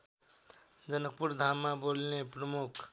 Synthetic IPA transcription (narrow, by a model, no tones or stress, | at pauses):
d͡zʌnək̚puɾd̪ʱamːabolnepɾəmukʰ